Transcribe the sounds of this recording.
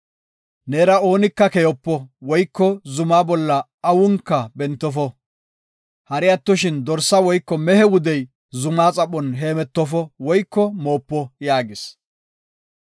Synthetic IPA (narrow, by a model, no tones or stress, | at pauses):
neːɾɐo̞ːnɪkːɐkɛjɔpːɔwɔjkːɔzʊmaːbɔlːɐː | wʊŋkːɐbɛnt̪ːɔfɔ | hɐɾɪɐt̪ːɔʃɪnd̪ɔɾsɐwɔjkːɔmɛhɛwʊd̪ɛj | zʊmaːt͡sʼɐpːɔnɦe̞ːmɛt̪ːɔfɔwɔjkːɔmo̞ːpːɔjaːɡɪs